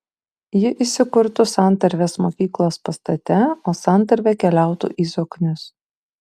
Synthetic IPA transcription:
jɪʔisʲɪkʊɾt̪ʊsɑˑnˑt̪ɐɾʲʋʲeːsmoːkʲiːklˠoːspɐst̪ɐt̪ʲɛoːsɑˑnˑt̪ɐɾʲʋʲɛkʲɛlʲæˑʊt̪ṵːʔiːzoːknʲʊs

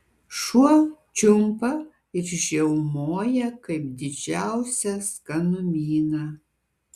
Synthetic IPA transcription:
ʃuɔt͡ʃʲʊmpɐ | ɪɾʒʲɛʊmoːjɛkɐɪp̚d̪ʲɪd͡ʒʲæˑʊsʲɛskɐnʊmʲiːnɑ

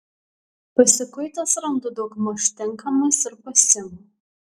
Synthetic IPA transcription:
pɐsʲɪkʊɪt̪ɐsɾɐnd̪ʊd̪ɐɡmoʃt̪ʲɪŋkɐmɐsɪɾpɐsʲɪm

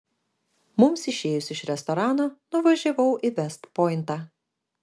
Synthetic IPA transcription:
mʊmsɪʃʲeːjʊsʲɪʃɾʲɛst̪ɔɾɑːnoːnʊʋɐʒʲɛʋɐʊʔɪʋʲɛst̪pɔɪnt̪ɑː

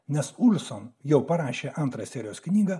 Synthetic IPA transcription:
nʲɛsʊlʲsonjɛʊpɐɾɑːʃʲeːʔɐnt̪ɾɑːsʲɛɾʲɪjoːsknʲiːɡɐː

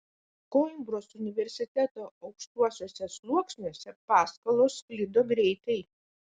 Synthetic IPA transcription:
kombɾoːsʊnʲɪʋʲɛɾʲsʲɪt̪ʲæt̪oːɐʊkʃt̪uɔsʲoːsʲɛslˠuɔksʲnʲoːsʲɛpɑːskɐlˠoːsklʲɪːd̪oːɡɾʲɛɪt̪ɐɪ

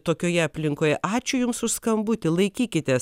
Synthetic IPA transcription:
t̪oːkʲoːjɛɐpʲlʲɪŋkoːjɛʔɑːt͡ʃʲʊjʊmssʊskɐmbut̪ʲɪlˠɐɪkʲiːkʲɪt̪ʲɛs

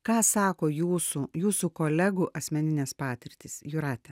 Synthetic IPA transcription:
kɑːsɑːkoːjuːsujuːsuːkoːlʲɛɡuʔɐsʲmʲɛnʲɪnʲɛːspɑːt̪ʲɪɾʲt̪ʲɪːsjʊɾɑːt̪ʲɛ

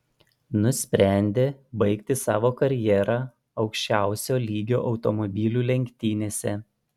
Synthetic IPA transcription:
nʊsʲpʲɾʲæˑnʲd̪ʲeːbɐɪkt̪ʲɪsɑːʋoːkɐɾʲjɛːɾɑ | ɒʊkʃʲt͡ʃʲæˑʊsʲoːlʲiːɡʲo̰ːʔɒʊt̪omɔbʲiːlʲuːlʲɛŋʲkʲt̪ʲiːnʲeːsʲɛ

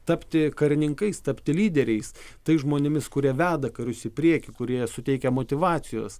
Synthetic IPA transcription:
t̪ɐpʲt̪ʲɪkɐɾʲɪnʲɪŋkɐɪst̪ɐpʲt̪ʲɪlʲiːd̪ʲɛɾʲɛɪst̪ɐɪsʒmoːnʲɪmʲɪskʊɾʲiɛʋʲæːd̪ɐkɐɾʲʊsʲɪpʲɾʲiɛkʲɪkʊɾʲiɛsʊt̪ʲɛɪkʲɛmoːt̪ʲɪʋɑːt͡s̪ʲɪjo̰ːs

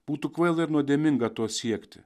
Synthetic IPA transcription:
b̥uːt̪ukʋɐɪlˠɪɾnuɔd̪ʲeɛmʲɪŋɡɐt̪oːsʲiɛkt̪ʲɪ̰

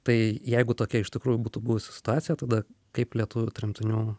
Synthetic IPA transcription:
t̪ɐɪjɛɪɡʊt̪oːkʲɛɪʃʲt̪ʲɪkɾuːjʊbuːt̪ʊbuːʋʊsʲɪ̥sʲɪ̥t̪ʊaːt̪sʲɪjɛt̪ɐd̪ɐkɐɪplʲiɛt̪ʊʋʲʊt̪ʲɾʲɪmʲt̪ʲɪnʲuː

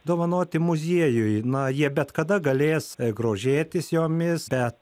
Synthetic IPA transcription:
d̪oːʋɐnoːt̪ʲɪmʊzʲiɛjʊjnɐjiɛbʲɛt̪kɐd̪ɐɡɐlʲeːsɡɾoːʒʲeːt̪ʲɪsjoːmʲɪsbʲɛt̪

